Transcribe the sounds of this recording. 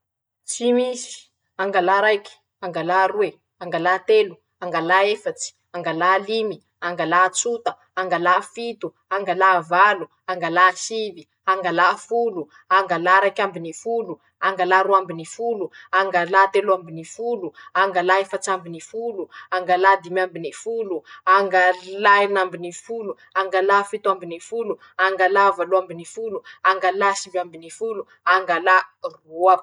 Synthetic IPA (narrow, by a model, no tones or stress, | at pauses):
t͡simisi̥ | aŋɡalaɾajki̥ | aŋɡalaɾue | aŋɡalat̪elu | aŋɡalaefat͡si̥ | aŋɡalalimi | aŋɡalat͡sut̪ə | aŋɡalafit̪u | aŋɡalavalu | aŋɡalasivi | aŋɡalafulu | aŋɡalaɾajkʲambinifulu | aŋɡalaɾuambinifuluaŋɡalat̪eluambinifuluaŋɡalaifat͡sambinifuluaŋɡalad̪imambinifuluaŋɡalajnambinifulu | aŋɡalafit̪uambinifulu | aŋɡalavaluambinifuluaŋɡalasivambinifulu | aŋɡalarua